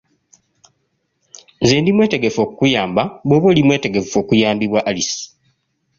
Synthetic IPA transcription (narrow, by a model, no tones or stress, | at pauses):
zeːndimwe̞ːte̞ɡe̞fo̞ːkukujaːmbaβwoβwelimwe̞ːte̞ɡe̞ffo̞ːkujaːmbiβwaʔːlisi̥